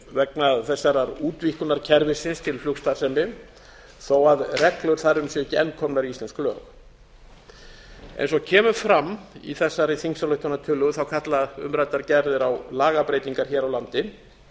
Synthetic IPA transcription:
vɛknaðθɛsːaɾaɾuːt̪vihkʏnːaɾ̥cʰɛɾvɪsɪnst̪ʰɪlflʏkst̪ḁsɛmɪ | θowaðrɛklʏɾ̥θaɾʏmsjɛɛcːɪɛnːkʰɔmnaɾiislɛnsklœ̰ːx | ʔḛjns̬ɔcʰɛːmʏfɾamːḭθɛsːaɾɪθiŋsaɾlœɥht̪ʰɔnat̪ʰʏlʏɣθawkʰat̪laðʏ̰mɾat̪aɾcɛɾðɪɾawlaːɣapɾeːjt̪iŋkaɾ̥çɛːɾawlant̪ɪ

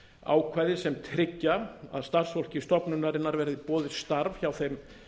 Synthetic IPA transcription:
a̰ːwkʰvajðɪsɛmt̪ʰɾɪcːaa̰ðst̪ar̥sfowl̥cɪst̪ɔpnʏnːaɾɪnːaɾvɛːɾɪðɪpɔːðɪst̪aɾvçawθejm

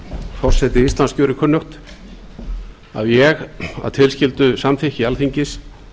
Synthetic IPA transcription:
fɔr̥sɛt̪ɪist̪lanskcœːɾɪkʰœnːʏxt̪ | a̰ðjɛɣa̰ðt̪ʰɪlscɪlt̪ʏsamθɪhcɪalθiɲcɪs

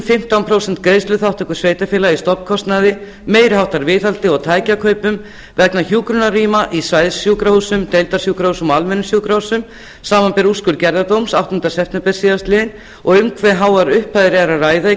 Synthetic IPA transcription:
fɪm̥t̪awnpʰɾoːwsɛnt̪kɾeːjst̪lʏθawht̪ɛkʏ̥sveːjt̪afɪːlaist̪ɔpnkʰɔst̪naðɪ | meːjɾɪɦawht̪aɾvɪːθalt̪ɪɔɣt̪ʰaːjcakʰœːɥpʏm | vɛknaçjuːkɾʏnariːmaʔisvajðsjuːkɾahuːsʏmt̪ejlt̪asjuːkɾahusʏmɔalmɛnʏsjuːkɾahusʏm | saːmanpɛɾuskʏɾcɛɾðat̪owmsawt̪ɔnt̪asɛft̪nɪpɛɾ̥siːðast̪lɪɪn | ɔɣʏmkʰvɛɦawaɾʏhpajðɾɪɛɾaraːjða

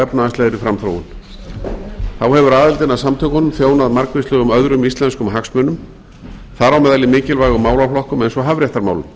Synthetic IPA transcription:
ɛpnaast̪ɛðɾɪfɾamθɾo̰wʏ̰n | θawhɛvʏɾaːðɪlt̪ɪnaðsamt̪ʰœːkhɔnːmfjoːwnaðmaɾkvɪst̪lœːɣʏmœðɾʏmist̪lɛnskʏmɦaksmʏːnʏm | θaɾawmɛðalɪmɪːcɪlvaːjɣʏmaːwlaflɔhkʏmɛnsɔɦavɾjɛht̪aɾmaːwlʏm

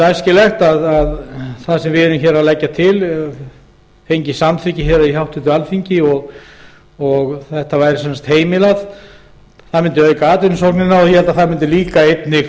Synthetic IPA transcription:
t̪ajscɪlɛxt̪aðaðθaðsɛmvɪɛɾɪmçɛːɾaðlɛcːat̪ʰɪl | fejɲcɪsamt̪ʰɪcɪçɛɾaihawht̪ʰʏt̪ʏalfiɲcɪɔɣ | ɔɣθɛht̪avaːjɾɪsɛnst̪heːjmɪlað | θaðmɪnt̪ɪœːkaːt̪ʏnsowknɪnːaɔθjɛhɛlt̪aθaðmɪnt̪ɪliːkaejt̪nɪ

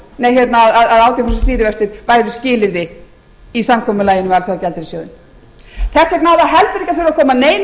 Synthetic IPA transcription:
nɛçjɛt̪naːðaðaðaːwt̪ɪfɛsast̪iːɾɪvɛst̪ɪɾ̥vaːjðʏscɪːlɪɾðɪ | isamkʰɔːmʏlaːjɪnʏmalθjawacɛlt̪ɪɾɪsjoːwðɪ̰n | θɛsjɛknaːwðaɦɛlpɾeçcːaθɪɾakʰɔːmaneːjn

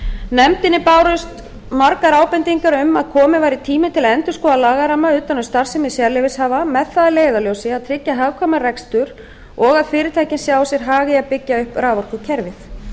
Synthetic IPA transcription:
nɛmt̪ɪnːɪpaːwɾʏst̪ | maɾkaɾaːwpɛnt̪iŋkaɾʏmaðkʰɔːmɪvajɾɪt̪ʰiːmɪt̪ʰɪlaɛnt̪ʏ̥skɔalaːɣaɾamaʏːt̪anʏmst̪aɾ̥sɛmɪðsjaɾlɪvɪshaːvamɛðθaðɪleːjðaljowsɪaðt̪ʰɾɪcːaɦaːvkʰvɔmarɛkst̪ʏɾ | ɔɣaðfɪːɾɪt̪ʰajcɪnsjaːwsjɛɾ̥ɦaːɣɪaðpɪcːaʏhpɾaːvɔɾ̥kʏcʰɛɾvɪθ

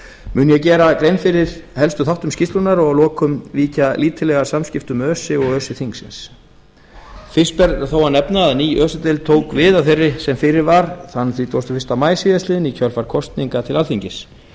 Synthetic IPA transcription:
mʏːnjɛcɛːɾakɾeːjnfɪɾɪɾ̥hɛlst̪ʏθawht̪ʏmscɪst̪lʏnaɾɔɣlɔːkʏmliːcaliːt̪ʰɪlɛɣasamscɪft̪ʏmœːsɪɔɣœːsɪθiŋksɪ̰ns | fɪ̥spɛɾt̪aθowanɛpnaːðniːʔœːsʏt̪ɪlt̪ʰoːwkvɪːðaθejrːɪsɛmfɪɾɪɾvaɾθanːθvit̪ʰowst̪ʏ̥fɪ̥st̪amaːjsiːðast̪ɪðɪnicʰœlfaɾ̥kʰɔst̪niŋkat̪ʰɪlalθiɲcɪs

